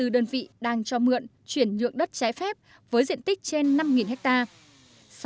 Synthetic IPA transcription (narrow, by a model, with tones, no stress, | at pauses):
ɨ˨˩ɗəː˧nvḭ˧˨ɗaː˧ŋt͡ɕɔ˧mɨ̰˧˨ən | t͡ɕwi˧˩ənɲɨ̰˧˨əŋɗə˦˥t̚t͡ɕaː˨˦jfɛ˦˥p̚ | vəː˨˦jzḭ˧˨ənt̪ï˦˥k̟̚t͡ɕe˧nːa˧mŋi˨˩nhɦɛ˦˥k̚t̪aː˧ | s